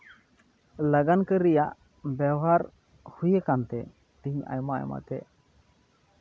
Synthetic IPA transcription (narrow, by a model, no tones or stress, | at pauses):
ləɡankəɾijaʔ | bɛwɦaɾ | hujekant̪ɛ | d̪iɲa̰jmaa̰jma̰t̪ɛ